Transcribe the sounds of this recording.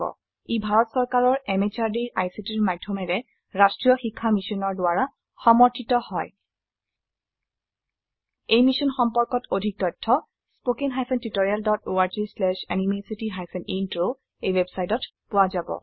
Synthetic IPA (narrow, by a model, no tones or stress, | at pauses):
ɔ̰ | ibʱaɹɔtsɔɹkaɹɔɹɛmet͡ʃaɹdiʔajsitiɹmadʱːɔmɛɹɛ | ɹastɹijɔxikʰːamisɔnɔɹdʊaɹa | xɔmɔɹtʰitɔhɔj | ejmisɔnxɔmpɔɹkɔtodʱik̚tɔjtʰːɔ | spokinɦajpʰɛntitoɹialdɔtʰoaɹzislɛʃanimesitiɦajpʰɛnintɹo | ejwebsajtɔt | pʊwazabɔ̰